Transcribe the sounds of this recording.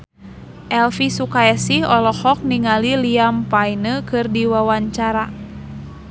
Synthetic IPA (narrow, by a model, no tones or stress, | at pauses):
ʔɛlfisukaɛsihɔlɔhɔk̚niŋaliliampainəkɨrdiwawaɲt͡ʃaɾa